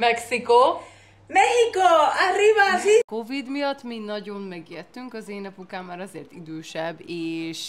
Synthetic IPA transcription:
mɛksiko | mɛhikoarivaziko̞vid̪mijɒt̪ːminɒɟo̞mmɛɡjɛt̪ːyŋkɒzeːnɛpukaːmːaːɾɒzeːrt̪id̪øːʃɛbːeːʃ

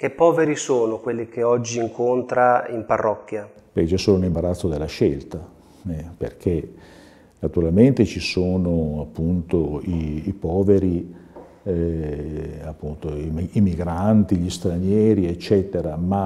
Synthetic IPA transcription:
k̟epːɔːveɾisoːnokwelːikʰeɔd͡ʒːiːŋkont̪ɾaimparːɔkːja | pɛjt͡ʃɛsoːnounimbaɾat̪sːod̪elːaʃelt̪a | ɛpḛrkʰe | nat̪uɾalment̪et͡ʃisoːnoapːunt̪oiːpɔːveɾi | apːunt̪oimiimiɡɾant̪iʎist̪ɾanjɛːɾiet͡ʃːɛːt̪eɾama

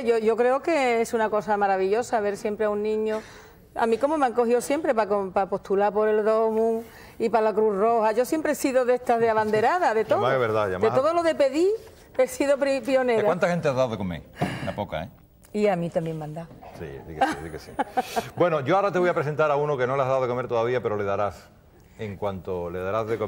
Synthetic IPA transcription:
ʝoʝo̞kɾeoke̞esunako̞samaɾaβiʎo̞saβe̞ɾsjempɾeaunːĩɲo | a̰mĩko̞momaŋko̞hiosjempɾe̞pakopapo̞ht̪ulapo̞ɾe̞lðo̞mũŋ | ipalakɾuro̞haʝo̞sje̞mpɾesiðoðeht̪azðeaβand̪e̞ɾaðaðet̪omaeβeɾða̰ja̰md̪eoðolo̞ðe̞pe̞ði | esiðopɾipio̞neɾawant̪ahent̪eazðawðekomḛɾlapoka̰e | iamĩt̪ambje̞ŋmãnd̪asḭðikesiðḭkesḭbwe̞noʝoaɾat̪eβojapɾes̬e̞nt̪aɾaunoke̞no̞leazðawðeko̞me̞ɾt̪oðaβiapeɾo̞le̞ðaɾas | eŋkwant̪ole̞ðaɾazðeko

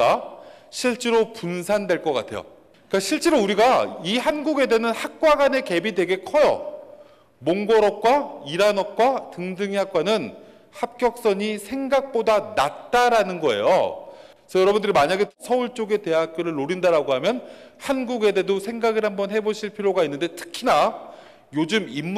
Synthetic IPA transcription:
aɕʰiɭt͡ɕ͈eɾopunsʰandwe̞ɭk͈ʌk͈atʰe̞̰jo̰ | ikaɕʰiɭt͡ɕ͈e̞ɾouɾiɡaihanɡuɡe̞de̞nɯnhak̚k͈waɡane̞ke̞bidwe̞ɡe̞kʰʌjʌ̰ | moŋɡʌɾʌk̚k͈waiɾanʌk̚k͈watɯŋdɯŋiɦak͈wanɯn | hap̚k͈jʌk̚s͈ʌɲisʰe̞ŋɡak̚p͈odanat̚t͈aɾanɯnɡʌḛjo̰ | sʰʌjʌɾʌbundɯɾimaɲaɡe̞sʰʌuɭt͡ɕ͈oɡe̞te̞ɦak̚k͈ʌɾɯɭːoɾindaɾaɡoɦamjʌnhanɡuɡe̞de̞dosʰe̞ŋɡaɡɯɭhambʌnhe̞boɕʰiɭpʰiɾjoɡainːɯnde̞tʰɯ̥kʰina | jod͡ʑɯmimː

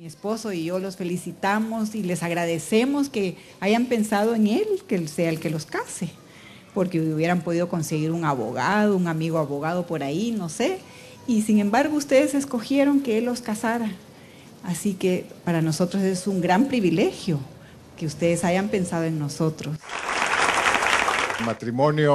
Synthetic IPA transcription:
miespo̞so̞iʝo̞lo̞sfe̞lisit̪amosile̞saɣɾaðe̞se̞mo̞ske̞ | ajampe̞nsað̞o̞e̞ŋelkese̞aelke̞lo̞skase | po̞ɾke̞uβje̞ɾampo̞ð̞ið̞o̞ko̞nse̞ɣiɾuŋaβo̞̰ɣað̞ouŋamiɣoaβo̞ɣaðo̞po̞ɾaino̞se | isiŋe̞mbaɾɣoust̪e̞ðe̞se̞sko̞xje̞ɾo̞ŋke̞elːo̞skasaɾa | asike̞paɾano̞so̞t̪ɾose̞suŋɡɾampɾiβile̞xjo̞ | ke̞ust̪e̞ðesaʝampe̞nsaðoeŋno̞so̞t̪ɾo̞s | mat̪ɾimonjo

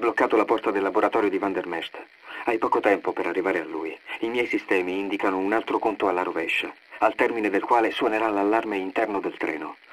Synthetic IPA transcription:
blokːaːt̪olapɔrt̪ad̪elːaboɾat̪ɔːɾjod̪ivand̪ermɛrt̪ | ajpɔːkot̪ɛmpopeɾarːivaːɾealːuːjimjɛjsist̪ɛːmiind̪ikanounalt̪ɾokont̪oalːaɾovɛʃːaalt̪ɛrmined̪elkwaːleswɔneɾalalːarmeint̪ɛrnod̪elt̪ɾʔɛ̰ːno

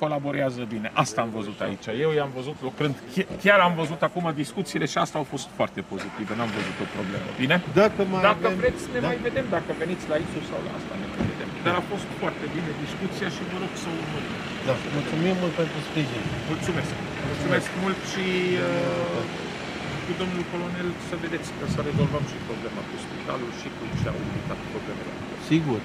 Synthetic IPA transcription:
ko̞labo̞ɾiazəbine̞ʔast̪aːmvəzut̪a̰it͡ʃaje̞wjamvəzut̪lokɾɨnd̪kʲkʲaɾamvəzut̪akumad̪iskut̪siːle̞ʃiast̪aawfo̞st̪foart̪e̞po̞zit̪ivenamvəzut̪o̞pɾo̞blḛmə̰bine̞d̪akəmad̪akəvɾe̞t̪sʲne̞majve̞d̪e̞md̪akəve̞nit̪sʲlaisusa̰wla̰a̰st̪a̰ne̞ma̰jve̞d̪e̞̰md̪aɾafo̞st̪foart̪e̞bined̪iskut̪sijaʃivəɾo̞ɡsəumul | d̪amult̪sumimmult̪̚pe̞nt̪ɾuspɾiʒinmult̪sume̞sk | mulsume̞skmult̪ʃiə | kud̪o̞mnulko̞lo̞ne̞lsəve̞d̪e̞t̪sʲkəsəɾe̞zo̞lvəmʃipɾo̞ble̞makuspit̪a̰lulʃik̪ut͡ʃea̰wuvit̪at̪pɾo̞ble̞mele | siɡur

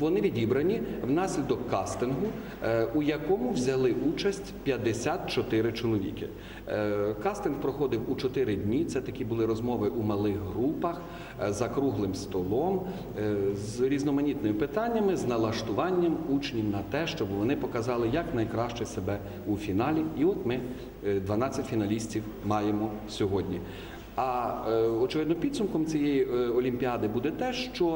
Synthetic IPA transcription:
ʋɔnɪʋʲidʲibɾɐnʲiwn̪ɑsʲlʲid̪ɔkːɑst̪ɪnɦʊ | ujɐkɔmʊwzʲɐlˠɪʔut͡ʃɐsʲtʲpʲjɐd̪esʲat̪̚t͡ʃɔt̪ɪɾɪt͡ʃɔlˠɔʋʲḭkɪ̰ | kɑst̪ɪnhpɾɔxɔd̪ɪwut͡ʃɔt̪ɪɾɪd̪ʲnʲit̪sɛt̪ɐkʲibʊlˠɪɾɔzmɔʋɪʔumɐlˠɪxɦɾupɐx | zɐkɾuɦlˠɪmst̪ɔlˠɔm | zɾʲiznɔmɐnʲit̪nɔjɪpɪt̪ɑnʲːɐmɪznɐlˠɐʃt̪ʊʋɑnʲːɐmut͡ʃnʲimnɐt̪ɛʃt͡ʃɔbʋɔnɪpɔkɐzɑlˠɪjɐknɐjkɾɑʃt͡ʃɛsebɛ | ufʲinɑlʲiiɔt̪mɪ | d̪ʋɐnɑt͡sʲːɐtʲfʲinɐlʲisʲtʲiw | mɑjemɔsʲɔɦɔdʲnʲi | ɐ | ɔt͡ʃɪʋɪd̪nɔpʲid̪sʊmkɔmt͡sʲijejiɔlʲimʲpʲiɑd̪ɪbud̪ɛt̪ɛʃt͡ʃɔ

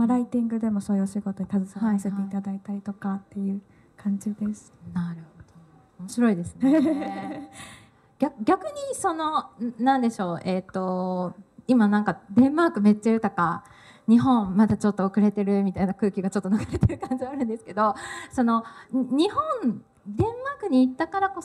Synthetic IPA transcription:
maɾait̪ĩŋɡɯ̟d̪e̞mo̞so̞ːjɯ̟oɕiɡo̞t̪o̞ɲit̪azɨsaaiseeit̪ad̪ait̪aɾʲit̪o̞kat̪ːe̞jɯ̟ː | kʰãɲ̟d͡ʑid̪e̞sɨ̥naɾɯ̟hod̪̥oː | mo̞ɕiɾo̞id̪e̞sɨne | ɡ̥ʲakɡʲakɯ̟ɲ̟iso̞no̞nãnd̪e̞ɕo̞ːʔe̞t̪ːo̞ | imanãŋkad̪ẽ̞mmaːkɯ̟me̞t̪ːaiɯ̟t̪o̞ka | ɲ̟iɦõ̞mmat̪at͡ɕo̞t̪ːo̞okɯ̟ɾe̞t̪e̞ɾɯ̟mʲit̪ainakɯ̟ːkʲiɡat͡ɕo̞t̪ːoakaɾe̞t̪eɾɯ̟kãɲ̟d͡ʑiaːɾɯ̃nd̪e̞sɨ̥ke̞d̪o̞so̞no̞ɲ̟ihõn | d̪ẽ̞mmaːkɯ̟ɲ̟iːt̪ːakaɾako̞

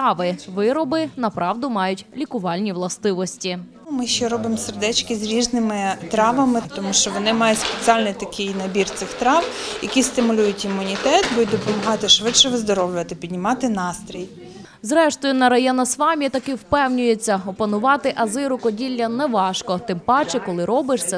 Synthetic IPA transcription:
ɑʋɪʋɪɾɔbɪnɐpɾɑwd̪ʊmɑjʊtʲlʲikʊʋɑlʲnʲiʋlˠɐst̪ɪʋɔsʲtʲi | mɪʃt͡ʃɛɾɔbɪmserd̪ɛt͡ʃkɪzɾʲiʒnɪmɪt̪ɾɑʋɐmɪt̪ɔmuʃt͡ʃɔʋɔnɪmɑjʊspet͡sʲiɑlʲnɪjt̪ɐkʰɪjnɐbʲirt̪sɪxt̪ɾɑwjɐkʲist̪ɪmʊlʲujʊtʲimːʊnʲit̪ɛt̪bud̪ʲd̪ɔpɔmɐɦɑt̪ɪʃʋɪtt͡ʃɛʋɪzd̪ɔɾɔwlʲʊʋɐt̪ɪpʲid̪ʲnʲɪmɑt̪ɪnɑst̪ɾʲij | zɾɛʃt̪ɔjʊnɐɾɐjɛnɐsʋɑmʲit̪ɐkɪwpɛwnʲʊjet͡sʲːɐɔpɐnʊʋɑt̪ɪʔɐzɪɾʊkɔdʲilʲːɐnɛʋɑʃkɔt̪ɪmpɑt͡ʃɪkɔlˠɪɾɔbɪʂsɛ

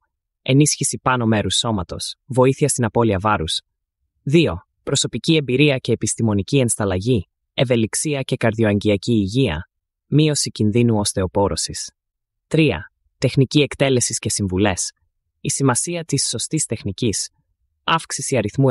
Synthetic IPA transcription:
e̞nisçisipɐno̞me̞ɾusːo̞mɐt̪o̞̰svo̞iθiɐst̪inɐpo̞liɐvɐɾus | ðio̞ | pɾo̞so̞picie̞mbiɾiɐce̞ːpist̪imo̞nicie̞nst̪ɐlɐʝi | e̞ve̞liksiɐce̞kɐɾðio̞ɐɲɟiɐciːʝiɐ̰ | mio̞sicinðinuo̞st̪e̞o̞po̞ɾo̞sis | t̪ɾiɐ̰ | t̪e̞xnicie̞kt̪e̞le̞sisce̞siɱvule̞s | isimɐsiɐt̪isːo̞st̪ist̪e̞xnicis | ɐfksisiɐɾiθmu

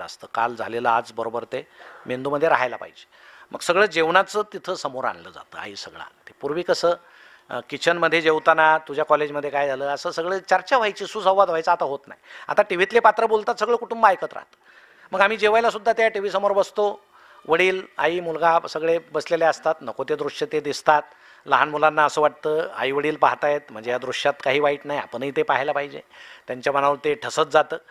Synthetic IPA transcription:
ə̰st̪əːka̰ld͡zʱa̰leləad͡zbəɾobəɾt̪emend̪uməd̪ʱːjeɾa̰ɦajla̰pa̰id͡ʑe̥ | mʔəɡsəɡɭəːd͡ʑeʋɳat͡sət̪it̪ʰəːsəmoɾa̰nləd͡za̰t̪ə̰ːa̰ɦiːsəɡɭa̰a̰nt̪epuɾʋiːkəsəː | kit͡ɕʰənməd̪ʱːjed͡ʑewt̪anat̪ud͡ʑʱjakɔled͡ʑməd̪ʱːjekajd͡zʱaləːəsəːsəɡɭəːt͡ɕaɾt͡ɕjaʋ̤ajt͡ɕiːsuːsə̃wʋad̪ʋ̤ajt͡səat̪aɦot̪na̰ɦja̰t̪aʈiʋ̤it̪lepat̪ɾəbolt̪at̪səɡɭəkuʈumbəajkət̪ɾa̰ɦt̪ə̥ | məɡam̤iːd͡ʑeʋajlasud̪ːat̪jaʈiʋ̤iːsəmoɾbəst̪o | ʋəɽiːla̰iːmulɡasəɡɭebəsleleəst̪at̪nəkot̪jed̪ɾuʂet̪ed̪ist̪at̪̚ | ləɦanmulanːaəsəːʋaʈ̚t̪əːa̰iʋəɽiːlpa̰ɦt̪ajet̪̚m̤əɳd͡zejad̪ɾuʂjat̪kaɦiːʋaiːʈ̪naja̰pəɳɦiːt̪epaɦilapaɦid͡ʑḛt̪jaɲt͡ɕjam̤əñaʋəɾt̪eʈʰəsət̪̚d͡zat̪əː

